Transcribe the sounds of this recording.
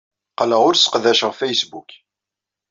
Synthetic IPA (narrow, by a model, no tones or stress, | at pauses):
qləʁʊɾsə̥qðæʃəʁfæjsbuk